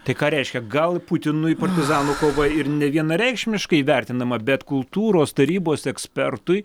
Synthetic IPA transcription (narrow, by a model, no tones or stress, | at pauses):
t̪ɐɪkɑːɾʲɛɪʃʲkʲɛɡɐlˠput̪ʲɪnʊɪpɐɾʲt̪ʲɪzɑːnuːkoːʋɐɪɾnʲɛʋʲiɛnɐɾʲɛɪkʃʲmʲɪʃkɐɪiʋʲɛɾʲt̪ʲɪnd̪ɐmɐbʲɛt̪kʊlˠt̪uːɾoːst̪ɐɾʲiːboːsɛksʲpʲɛrt̪ʊɪ